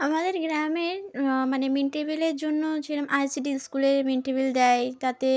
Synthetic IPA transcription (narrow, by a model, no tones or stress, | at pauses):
amad̪eɾɡɾameɾmanemiɳʈebileɾd͡ʑonːot͡ɕʰilamʔajsiɖiskuleɾmiɳʈebild̪ɛjt̪at̪e